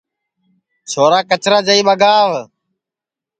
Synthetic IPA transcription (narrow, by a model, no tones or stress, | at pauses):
t͡ʃʰoːɾaːkət͡ʃɾaːd͡ʒəiːɓəɡaːʋ